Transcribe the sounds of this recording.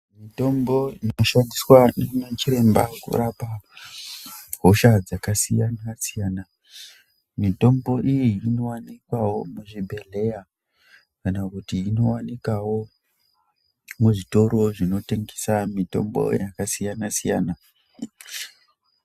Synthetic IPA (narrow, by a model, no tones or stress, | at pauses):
mito̞mbo̞inoʃandiswaneunat͡ʃiɾe̞mba̰kṵrapa | ɦoʃad͡zakasijanasijaːna | mito̞mbo̞ʔijiːno̞wanikwawo̞muʐibʱe̞ɮe̞ja | kanakutiːno̞wanikawo̞ | muʐito̞ɾo̞ʐino̞te̞ŋɡesamito̞̰mbo̞̰jakasijanasijaːna